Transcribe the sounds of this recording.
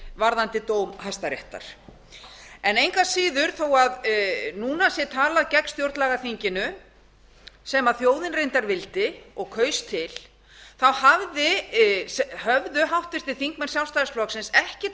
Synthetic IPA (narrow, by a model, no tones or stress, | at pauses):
vaɾðant̪ɪt̪oːwmhajst̪aɾjɛ̰ht̪a̰ɾ̥ | ɛnejŋkasiːðʏɾ̥θowaðnuːnasjɛt̪ʰaːlaðcɛkst̪jowɾt̪laɣaθiɲcɪnʏ | sɛmaðθjoːwðɪnrejnt̪aɾvɪlt̪ɪɔɣkʰœːɥst̪ʰːɪl | θawhavðɪshœvðʏɦawht̪vɪr̥t̪ɪ̥θiŋkmɛn̥sjawlst̪aɾsklɔksɪnsɛhcɪ